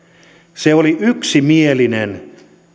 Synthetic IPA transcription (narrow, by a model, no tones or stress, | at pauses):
seoliyksimielinen